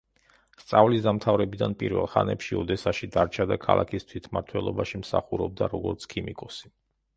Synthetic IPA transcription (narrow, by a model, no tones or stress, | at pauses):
st̪sʼavlisd̪amt̪ʰavɾɛbid̪anpʼiɾvɛ̰lˠχanɛpʃiɔd̪ɛsaʃid̪aɾt͡ʃʰad̪akʰa̰lˠʔakʰist̪ʰwit̪ʰmaɾt̪ʰwɛlˠɔbaʃimsa̰χuɾɔb̚d̪aɾɔɡɔɾt̪sʰkʰimikʼɔsi̥